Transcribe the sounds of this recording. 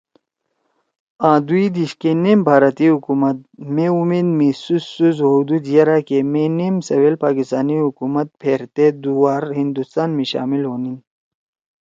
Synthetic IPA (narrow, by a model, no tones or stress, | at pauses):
ãːd̪uid̪iɕkeneːmbʱaːɾət̪iɦukumɐt̪̚meumeːd̪misusːuzɦud̪ud̪jɐɾakemenemsɐwelpaːkist̪aːniɦukumɐt̪̚pʰeːɾt̪ed̪uwaːɾɦind̪ust̪aːnmiɕa̰ːmilɦoːnin